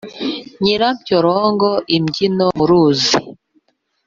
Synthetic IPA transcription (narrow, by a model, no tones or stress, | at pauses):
ɲiɾamcoɾoːŋɡoʔimɟinomuɾuːzi